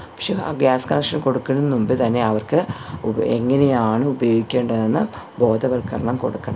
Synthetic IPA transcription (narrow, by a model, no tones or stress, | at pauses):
pɐ̥kʂḛɡaːskɐnɐkʂɐnko̞ɽukːɐnunnːumbɨt̪ɐnːe̞ɐʋɐrkɨ | eŋːɐnejaːɳɨubɐjo̞ːɡikʲːe̞ːɳɖɐðenːɨ | bo̞ːd̪ɐʋɐlkɐrɐɳɐmko̞̰ɽukːɐɳɐ